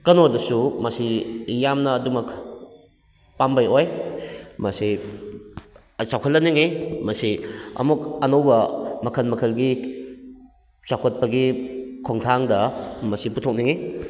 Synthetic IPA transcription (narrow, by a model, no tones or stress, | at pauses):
kɐnodɐsumɐsijamnɐːdumɐk | pambajoj | mɐsi | ɐt͡ʃawkʰɐtlːɐniŋimɐsiɐ̰mukɐnowbɐmɐkʰɐnmɐkʰɐlɡi | t͡ʃakʰot̚pɐɡikʰoŋtʰaŋdɐmɐsiputʰok̚niŋi